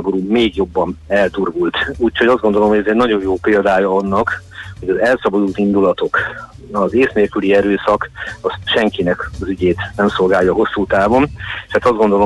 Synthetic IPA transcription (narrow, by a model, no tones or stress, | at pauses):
boɾuːmeːɡjo̞bːɒnɛlt̪urɡult̪uːchoɟɒzdɡo̞nd̪olo̞mhoɟɛzɛɟnɒɟo̞jjoːpeːld̪aːjɒɒnːɒk | ho̞ɟɒzɛlsɒbɒd̪ult̪ind̪ulɒt̪o̞k | ɒzeːsneːlkyliɛɾøːsɒkɒsʃɛŋkinɛkɒzyɟeːt̪nɛmso̞lɡaːjːɒɦo̞sːuːt̪aːvo̞neʃaːt̪ɒzd̪ɡo̞nd̪olo